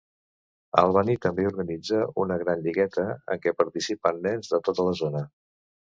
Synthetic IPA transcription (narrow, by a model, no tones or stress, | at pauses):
a̰lˠβ̞anit̪əmbeuɾɣənid͡zəunəɣɾanʎiɣɛt̪əə̰ŋkɛpəɾt̪isipənːɛnzðət̪ot̪ələzonə